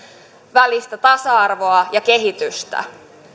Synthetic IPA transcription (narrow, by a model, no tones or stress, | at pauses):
ʋælist̪æt̪ɑsɑɑrʋo̞ɑjɑke̞ɦit̪yst̪æ̰